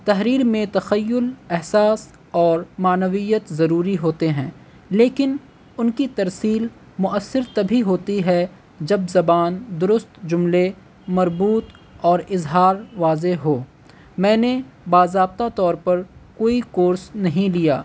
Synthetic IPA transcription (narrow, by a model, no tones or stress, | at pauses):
t̪ɐɦɾiːɾmẽt̪ɐxəjːʊlɛɦsaːs | ɔːɾmaːnəʋijət̪zɐɾuːɾiɦoːt̪eɦɛ̃ː | leːkɪn | ʊnkit̪ɐɾsiːl | mʊʔəsːɪɾt̪ɐbʱiɦoːt̪iɦɛ | d͡ʒɐbzɐbaːnd̪ʊɾʊst̪d͡ʒʊmle | mɐɾbuːt̪ | ɔːɾɪzɦaːɾʋaːzeɦoː | mɛ̃ːne | baːzɾaːb̚t̪at̪ɔːɾpɐɾkoːikoːɾsnɐɦĩlijaː